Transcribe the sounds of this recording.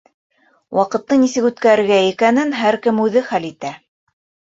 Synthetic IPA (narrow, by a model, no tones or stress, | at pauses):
wʔɑqɤ̆t̪ːɤnisɘkʉt̪kæɾɘ̆ɾɡæikænɘnɦæɾkɘmʉðɘχælit̪æ